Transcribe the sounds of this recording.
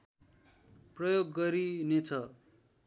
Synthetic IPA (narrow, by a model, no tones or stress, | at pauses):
prʌjoɡːʌɾinet͡sʰʌ